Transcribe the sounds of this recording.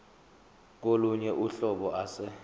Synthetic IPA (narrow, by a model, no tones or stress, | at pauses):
k̬oluɲɛʔuɬɔɓɔʔasɛ